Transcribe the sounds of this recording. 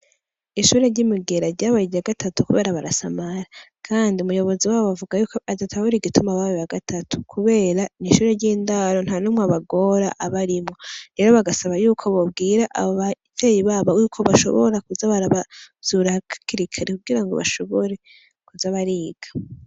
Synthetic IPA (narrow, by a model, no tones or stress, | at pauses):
iʃuːɾe̞ɾɟimiɡe̞ɾaɾɟaβaɾiɟiaɡatʰatukuβe̞ːɾaβaɾasamaɾakʰaːndiumujo̞βo̞ziwaːβoβavuɡajukoazatʰaβuɾiɡitumaβaweβaɡatʰatʰu̥kʰuβe̞ːɾaniʃuːɾe̞ɾɟiːndaɾo̞n̥hanumŋaβaɡo̞ɾa̰ʔaβaɾimŋo̞ɾe̞ːɾo̞βaɡasaβajuːkʰoβob̚ɡiːɾaʔa̰βoβavejiβaβojukʰo̞βaʃo̞̰βo̰ɾakuzaβaɾaβaz̥uɾahkakiɾikʰaɾekuɡiɾaŋɡo̞βa̰ʃo̞βoɾe̞ | kuzaβaɾiːɡ̥ḁ